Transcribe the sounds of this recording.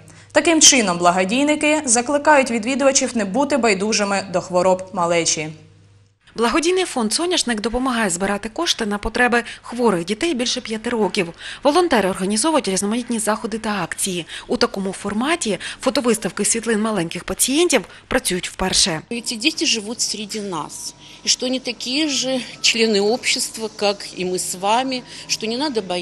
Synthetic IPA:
t̪ɐkɪmt͡ʃɪnɔmblˠɐɦɐdʲijnɪkɪzɐklˠɪkɑjʊtʲʋʲid̪ʋʲid̪ʊʋɐt͡ʃiwnɛbut̪ɪbɐjd̪uʒemɪd̪ɔxʋɔɾɔbmɐlˠɛt͡ʃʲi | blˠɐɦɔdʲijnɪjfɔnd̪zɔnʲɐt͡ʃnɪkd̪ɔpɔmɐɦɑjɛzbɪɾɑt̪ɪkɔʃt̪ɪnɐpɔt̪ɾɛbɪxʋɔɾɪxdʲit̪ɛjbʲilʲʃɛpʲjɐt̪ɪɾɔkʲiwʋɔlˠɔnt̪ɛɾɪɔrɦɐnʲizɔʋɐjʊtʲɾʲiznɔmɐnʲit̪ʲnʲizɑxɔd̪ɪt̪ɐɑkt͡sʲijiut̪ɐkɔmʊfɔrmɑtʲifɔt̪ɔʋɪst̪ɐwkɪsʲʋʲit̪lˠɪnmɐlˠɛnʲkɪxpɐt͡sʲijenʲtʲiw | pɾɐt͡sʲujʊtʲwpɛrʃɛɛtʲɪdʲetʲɪʐɨvut̪fsʲɾʲɪdʲina̰s | iʂt̪oɐnʲɪt̪ɐkʲijəʐɨt͡ɕlʲenɨopɕːɪst̪vəkakḭmɨsvamʲɪʂt̪onʲɪnad̪əbɐ

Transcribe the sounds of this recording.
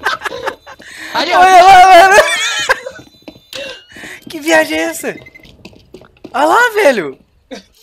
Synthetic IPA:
ojolavɛnʊ | kɪviaʒɐ̃ɛsɐ | ɔlavɛlʊ

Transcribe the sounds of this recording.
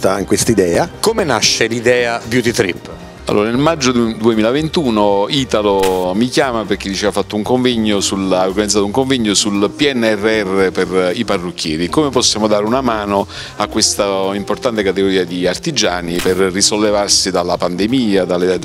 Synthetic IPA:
t̪aŋkwest̪aid̪ɛːakomena̰ʃːelid̪ɛːabjut̪it̪ɾḭpː | a̰lːo̰ːɾanelmad͡ʒːod̪uemiːlavent̪uːnoiːt̪alomikjaːmaperk̟eɪd̪ːit͡ʃɛːvafat̪ːouŋkoɱvɛɲːosulaorɡanid̪zat̪uŋkoɱvɛɲːosulpiɛnːɛrːeɛrːeperiparːukʰːjɛːɾikomepɔsːjaːmod̪aːɾeunamaːno | akːwest̪aimport̪ant̪ekat̪eɡoɾiːad̪iart̪id͡ʒaːniperːisolːevarsid̪alːapand̪emiːad̪alːe

